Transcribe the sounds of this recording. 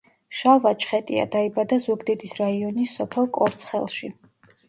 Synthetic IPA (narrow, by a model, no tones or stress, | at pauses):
ʃavat͡ʃʰχɛt̪ʼḭa̰d̪aibad̪azuɡd̪ɛd̪isɾaiɔnisːɔpʰɛlˠkʼɔɾt̪sʰχɛ̰lˠʃi